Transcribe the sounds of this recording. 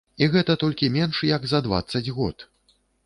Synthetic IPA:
iɣɛt̪ɐt̪ɔlʲkʲimʲɛnʂjɐɡzɐd̪va̰t̪sːɐd͡zʲɣɔ̰t̪

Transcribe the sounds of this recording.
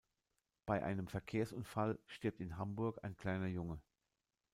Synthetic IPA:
b̥aɪʔa̰ɪnəmfɛɐkʰeːɐsʊnfalʃteːɐp̚tɪnɦambʊɐka̰ɪnkl̥aɪnɐjʊŋə

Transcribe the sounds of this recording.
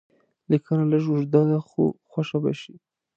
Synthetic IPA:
likanalaʒʊʒd̪ɑjaxo̰xwaʃaba̰ʃi

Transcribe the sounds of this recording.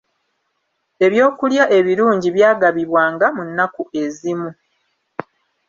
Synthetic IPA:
e̞βjo̞ːkuljaʔe̞βiɾuːɲɟiβjaːɡaβiβwaːŋɡamunːakue̞zimu

